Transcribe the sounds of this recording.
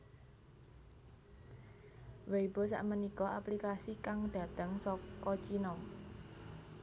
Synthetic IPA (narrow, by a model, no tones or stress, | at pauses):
weibɔ̤s̬a̰ʔmənikɔʔaplikasikaŋd̪̥a̤d̪̥ə̤ŋsɔkɔt͡ʃinɔŋ